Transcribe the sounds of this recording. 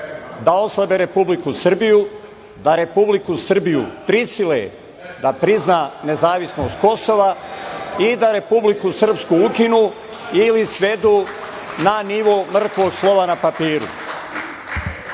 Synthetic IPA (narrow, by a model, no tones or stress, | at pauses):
d̪ao̞slˠabeːɾe̞publikusr̩biju | d̪aɾe̞publikusr̩bijṵpɾisilḛ | d̪apɾiznaːne̞zaːʋisno̞ːst̪̚ko̞so̞ʋa | id̪aɾe̞publikusr̩pskuukinuː | ilisʋe̞d̪uː | naniʋomr̩t̪ʋo̞ːɡslˠo̞ʋanapapiːɾṵ